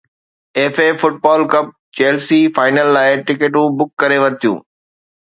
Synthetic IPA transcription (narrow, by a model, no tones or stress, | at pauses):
eːfeːfʊʈ̚bɔːlkɐp̚ | t͡ɕeːlsifaːɪnəlːaːɪʈɪkeʈũːbʊkːɐɾeʋɐɾt̪ʰijṵ̃ː